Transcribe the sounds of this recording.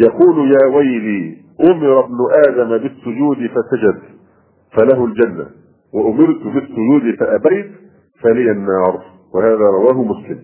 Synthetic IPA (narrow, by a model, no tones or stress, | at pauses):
jɑquːlʊjaːwajliː | ʔʊmɪɾˤɑbnʊʔaːd̪amabɪsːʊd͡ʒuːd̪ɪfasad͡ʒad̪ | falaɦʊld͡ʒanːa̰ | waʔʊmɪɾt̪bɪsːʊd͡ʒuːd̪ɪfaʔabajt̪ | falɪjanːɑːɾˤ | wɪhaːðaːɾˤɑwaːɦʊmʊslɪm